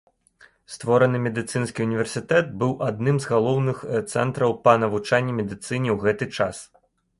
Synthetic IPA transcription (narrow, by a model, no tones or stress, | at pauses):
st̪vɔɾɐnɨmʲɛd̪ɨt̪sɨnskʲiunʲivʲɛrsʲɨt̪ɛt̪̚bɨwʔad̪nɨmzɣalˠɔwnɨxt̪sɛ̰nt̪ɾɐwpɐnɐvut͡ʂanʲːimʲɛd̪ɨt̪sɨnʲiwɣɛt̪ɨt͡ʂas